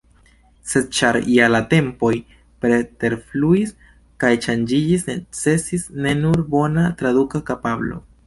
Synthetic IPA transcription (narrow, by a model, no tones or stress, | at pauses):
se̞d̚t͡ʃaɾjalate̞mpo̞j | pɾe̞te̞ɾfluis | kajt͡ʃand͡ʒid͡ʒisnet͡se̞sisne̞nuɾbo̞natɾadukakapablo̞̰